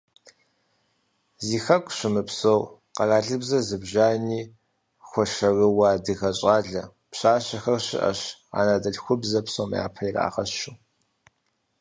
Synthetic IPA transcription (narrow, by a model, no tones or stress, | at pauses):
ziːxɐkʷʼɕʷɪmɨpsowqɐraːɮɨbzɐzɨbʒaːniː | xʷɔʃɐrɨwaːdɨxɐɕʼaːɮɐ | pɕaːɕɐxɐrɕɪ̰ʔɐ̰ɕa̰ːnadɐɮxʷʊbzɐpsowm̰a̰ːpʰɐira̰ːʁɐɕʃuː